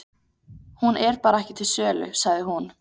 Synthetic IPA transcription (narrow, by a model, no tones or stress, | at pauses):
hunʔɛɾpaːɾaɛhcɪt̪ʰɪlsœːlʏ̰saɣðɪɦun